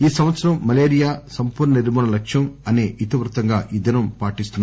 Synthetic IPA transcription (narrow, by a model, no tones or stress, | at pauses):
iːsɐmʋɐt̪sɐɾɐmːɐleːɾijaːsɐmpuːɾɳɐniɾmɔːɳɐlɐkʂjɐmɐne̞ːʔit̪iʋɾut̪ɐŋɡaːʔid̪ɐnɐmpaːʈist̪unːa